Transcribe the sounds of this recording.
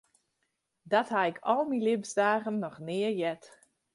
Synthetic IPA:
dɔthaɪkʰɔlˠmilɪbzdaːɣənːɔxnɪəɹjɛt

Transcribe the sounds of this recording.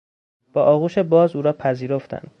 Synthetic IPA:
b̥ɒːʔɒːɣuːʃe̞bɒːzuːɾɒːpʰæziːɾo̞ft̪ʰæ̰nd̪̥

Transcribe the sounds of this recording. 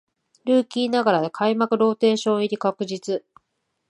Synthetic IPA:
ɾɯ̟ːkʲiːnaɡaɾad̪ekʰaimakɯ̟ɾo̞ːt̪e̞ːɕõ̞ɰ̃iɾʲikakɯ̟ʑit͡sɨ

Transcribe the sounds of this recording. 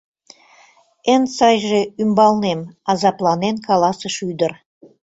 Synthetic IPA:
ensɑjʒeymbɑlˠnemɑzɑplˠɑnenkɑlˠɑsəʃyd̪ə̆r

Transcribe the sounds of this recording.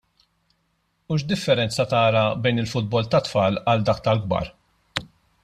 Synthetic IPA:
uːʃd̪ɪfːɛɾɛnt͡sɐt̪ɐːɾɐbɛjnɪlfʊd̪̚bɔlt̪ɐt̪fɐːlɐld̪ɐːk̚t̪ɐlɡbɐ̰ːɾ

